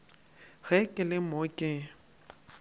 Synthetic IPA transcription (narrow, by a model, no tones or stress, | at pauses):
ɣɛkʼɪlɪmokʼɪ